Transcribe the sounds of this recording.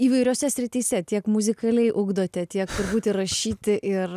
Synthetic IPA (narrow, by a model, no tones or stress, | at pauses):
iːʋɐɪɾʲoːsʲɛsʲɾʲɪt̪ʲiːsʲɛt̪ʲiɛkmʊzʲɪkɐlʲɛɪʔʊɡd̪oːt̪ʲɛt̪ʲiɛkt̪ʊɾbuːt̪ʲɪɾɐʃʲiːt̪ʲɪʔɪr